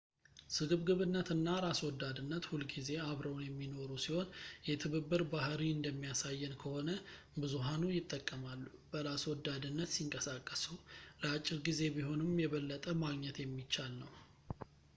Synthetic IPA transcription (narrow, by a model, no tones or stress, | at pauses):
sɨɡɨβɡɨβɨnːət̪ɨnːaɾaswɔd̪ːad̪ɨnːət̪hulɡize̞aβɾəwnjɛmːino̞ɾusiho̞njɛt̪ʰɨβɨbːɨɾbahɾiɨnd̪əmːijasajːɛnkʰəho̞nə | bɨzuɦanujɪt̪ʼːəkʼːəmalːub̥əɾaswɔd̪ːad̪ɨnːət̪siŋkʼəsakʼːəsuləat͡ʃʼːɪɾɡize̞biɦo̞nɨmjɛβəlːət̪ʼəmaɡɲɛt̪jɛmːit͡ʃːalnəw